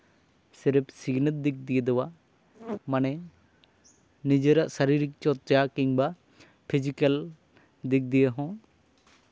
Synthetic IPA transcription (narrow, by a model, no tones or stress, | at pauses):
siɾpsiɡnət̪̚d̪ik̚d̪ijəd̪ɔwa | manɛ | nid͡ʒəɾaʔsaɾiɾik̚t͡ʃɔt̪̚t͡ʃjakiɲba | pʰid͡ʒikəl | d̪ik̚d̪ijəɦɔ̃